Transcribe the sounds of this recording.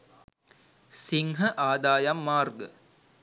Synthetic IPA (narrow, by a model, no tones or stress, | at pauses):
siŋɦəʔaːd̪aːjamːaːrɡə̰